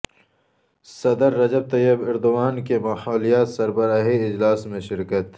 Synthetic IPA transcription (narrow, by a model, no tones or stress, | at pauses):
sɐd̪əɾːɐd͡ʒɐb̚t̪ɐjəbɪɾd̪uwaːnkemaħaːlijaːt̪sɐɾbɐɾaːɦiɪd͡ʒlaːsmẽʃɪɾkət̪